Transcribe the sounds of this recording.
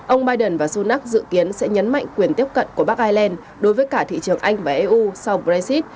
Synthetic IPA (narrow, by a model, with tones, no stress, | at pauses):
ʔə˧wŋ͡mɓaː˧jɗə˨˩nvaː˨˩su˧naː˦˥k̚zɨ̰˧˨ki˨˦ənsɛ̰˧˥ɲə˨˦nma̰˧˨jŋ̟kwi˨˩ənt̪i˦˥əp̚kə̰˧˨nku˧˩əɓaː˦˥k̚ʔaː˧jlɛ˧n | ɗo˨˦jvəː˨˦jkaː˧˩t̪ʰḭ˧˨t͡ɕɨ˨˩əŋʔa˧jŋ̟vaː˨˩ʔe˧ʔu˧sa˧wbɾa˧si˦˥t̚